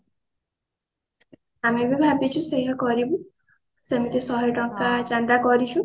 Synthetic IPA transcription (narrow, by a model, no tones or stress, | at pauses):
amebebʱabit͡ʃʰusejɦɔkɔɾibu | semit̪esɔɦɔjʈɔŋ̚kad͡ʒand̪akɔɾit͡ʃʰũ